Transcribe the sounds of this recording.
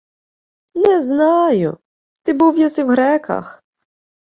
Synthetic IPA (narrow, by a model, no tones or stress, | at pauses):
nɛznɑjʊ̰ | t̪ɪbuwjasiwɣɾɛkɐ̰x